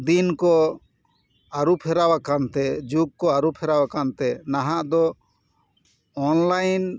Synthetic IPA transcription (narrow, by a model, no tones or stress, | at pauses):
d̪inkɔ | aɾupʰɛɾawakant̪ɛd͡ʒukkɔaɾupʰɛɾawakant̪ɛnaɦaʔd̪ɔ | ɔnlajn